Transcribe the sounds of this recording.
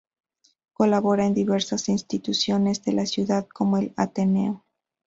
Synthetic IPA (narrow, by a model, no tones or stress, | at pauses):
ko̞laβo̞ɾaend̪iβe̞ɾsasinst̪it̪usjo̞ne̞zðe̞lasjuðaðko̞mo̞e̞la̰t̪e̞ne̞̰o